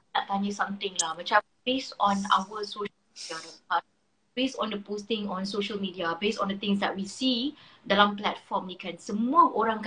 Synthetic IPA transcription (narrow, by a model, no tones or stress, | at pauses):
aʔt̪aɲəsãmt̪ɪ̃ŋlahmət͡ʃa | besɔ̃na̰wəsoʃədiaa | b̥esɔ̃ndəpost̪ɪ̃ŋɔ̃nsoʃəlmidiabesɔ̃ndət̪ɪ̃ŋs̬dɛt̚wisidalamplɛtfɔmjikɛ̃nsəmuəʔoɾãŋk